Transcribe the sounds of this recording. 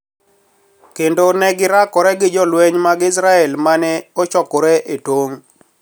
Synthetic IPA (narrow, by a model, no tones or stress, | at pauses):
kendonɛɡɪɾakɔɾɛɡɪd͡ʒɔlwɛɲmaɡɪs̬ɾaɛlmanɛɔt͡ʃɔkɔɾɛʔetwoŋ